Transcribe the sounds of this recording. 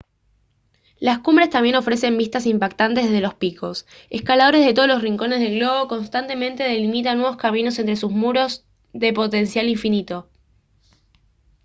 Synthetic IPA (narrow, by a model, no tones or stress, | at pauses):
laskumbɾe̞st̪ambje̞no̞fɾe̞se̞mbist̪asimpakt̪ant̪e̞zðeðelo̞spikʰo̞s | eskalaðo̞ɾe̞zð̞et̪olo̞sriŋko̞ne̞zðe̞lɣlo̞ɣ̞oko̞nst̪ant̪e̞mẽ̞nt̪e̞ðe̞limit̪anːwe̞βoskamino̞s̬ent̪ɾe̞susmuɾo̞z | ðe̞po̞t̪e̞nsjaliɱfinit̪o̞